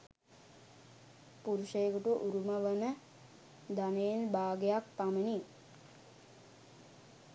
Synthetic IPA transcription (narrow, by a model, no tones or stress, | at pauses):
puɾuʃejɡuʈuʔuɾuməʋənə | d̪aneːnbaːɡejak̚t̪aməni